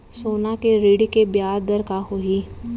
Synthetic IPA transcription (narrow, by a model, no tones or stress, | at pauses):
soːnakeɾiɽikebjaːɾd̪əɾkaɦʊi